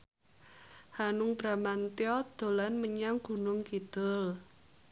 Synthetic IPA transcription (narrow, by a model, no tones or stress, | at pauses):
hanʊŋb̥ɾamant̪jɔd̪̥o̤lanməɲaŋɡ̥ṳnʊŋkid̪̥ʊ̤l